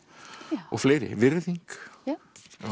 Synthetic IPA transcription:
ɔ̰ɣfleːjɾɪ̰vɪɾðiŋk

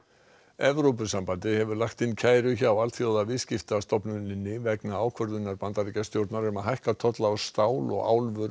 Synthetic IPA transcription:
ɛvɾowpʏsampant̪ɪhɛvʏɾlaxkt̪ɪncʰaːjɾʏçaːwalt̪θjowðavɪðscɪft̪ast̪ɔpnʏnɪnːɪvɛknaaːwkʰvœɾðʏnːaɾpant̪aɾicast̪jowɾt̪naɾʏmaɦajhkat̪ʰɔt̪laɔst̪aːwlɔ̰ɣa̰ːwlvʏɾ

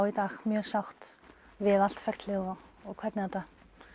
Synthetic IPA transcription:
wit̪axmjœːsawht̪ | vɪðal̥t̪fɛr̥t̪lɪɣɔɔɣkʰvɛɾt̪nɪθat̪a

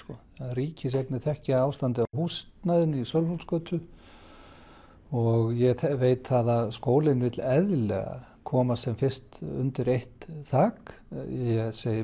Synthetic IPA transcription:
kɔ | riːcɪs̬eknɪθɛhcɪaaːwst̪ant̪ɪawɦuːst̪naðɪnisœlfolskœːt̪ʏ | ɔɣjɛɣθɛveːjt̪θaðaðskoːwlɪnvɪt̪lɛðlɛ̰ɣa̰kʰɔːmasɛmfɪr̥st̪ʏ̰nt̪ɪɾejht̪θaːkjɛseːjɪ

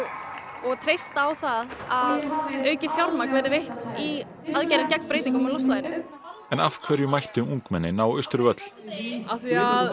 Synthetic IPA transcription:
ɔɣt̪ʰɾejst̪awθaðaðœːɥcɪfjaɾmakvɛːɾɪvejht̪i | aðcɛjɾɪcɛk̚mpɾeːjt̪iŋkɔmalɔwst̪laːjnɪ | ɛnafkʰvɛːɾjʏmajht̪ɪuŋkmɛnːɪnaːwʏst̪ʏɾvœt̪l̥aθiað

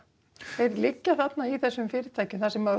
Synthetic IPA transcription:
θɛɾlicːaθat̪naiθɛsːʏmfɪɾɪt̪ʰaːjcʏmθasɛma

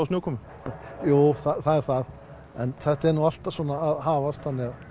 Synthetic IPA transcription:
ɔsnowkʰɔmʏ | juːθaθaðɛɾ̥θað | ɛnθɛht̪aɛɾnuwal̥t̪avsɔːnaːðɦaːvast̪θanːɪɣa

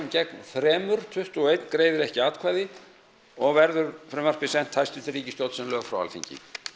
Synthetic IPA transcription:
mcɛknfɾɛːmʏɾ̥t̪ʰʏht̪ɔɣejt̪nkɾeːjðɪɾɛhcɪaːt̪kʰvaːjðɪ | ɔɣvɛɾðʏɾfɾɛmar̥pɪsɛn̥t̪hajst̪ʏnt̪ɪriːcɪst̪owt̪sɛmlœːɣfɾawa̰lθḭɲcɪ̰

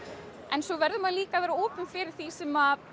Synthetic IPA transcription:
ɛnsɔvɛɾðʏmaðliːkavɛːɾaoːpʏnfɪɾɪɾ̥θisɛma

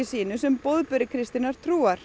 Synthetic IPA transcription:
ɪsiːnʏsɛmpowðpʏɾɪkʰɾɪst̪inaɾ̥t̪ʰɾuːaɾ̥

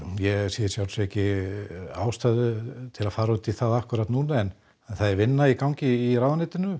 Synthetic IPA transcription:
jɛsiːðɪɾsjawlsɛhcɪ | aːwst̪aðʏt̪ʰɪlaðfaːɾɔt̪iθaðahkʏɾat̪nuːnaɛn | aθaðɛɾvɪnːaikawɲcɪiɾawðanɪːt̪ɪnʏ

